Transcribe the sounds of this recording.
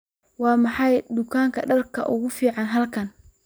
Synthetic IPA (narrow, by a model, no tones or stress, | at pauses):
wɑːmɑħɑjd̪ʊkʰaːŋkʰɐɖɐlkʰɐ̰ʔʊɣʊfiːʕɑnɦɐlkʰɐn